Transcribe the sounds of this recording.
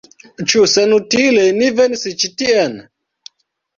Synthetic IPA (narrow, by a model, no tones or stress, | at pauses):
t͡ʃusenutilenivensit͡ʃitien